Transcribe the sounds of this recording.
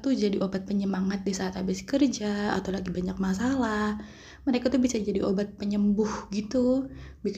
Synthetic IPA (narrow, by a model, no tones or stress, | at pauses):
t̪ud͡ʒadiʔobat̪̚pəɲəmaŋat̪̚disaɦat̪abɪskərd͡ʒa̰ːt̪awlaɡibaɲak̚masalah | məɾekat̪ubisad͡ʒadiobat̪̚pəɲəmbʊhɡit̪ubik